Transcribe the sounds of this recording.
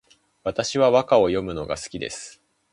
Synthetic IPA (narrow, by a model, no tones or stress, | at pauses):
βat̪aɕiβaβakao̞jo̞mɯ̟no̞ɡa̰sɨ̥kʲid̪e̞̰sɨ̥